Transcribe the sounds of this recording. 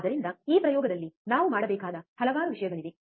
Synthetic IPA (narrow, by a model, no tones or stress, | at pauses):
d̪ɐɾind̪ɐiːpɾɐjɔːɡɐd̪ɐlːinaːʋumaːɽɐbɛːkaːd̪ɐhɐlɐʋaːɾuʋiʂɐjɐɡɐɭid̪e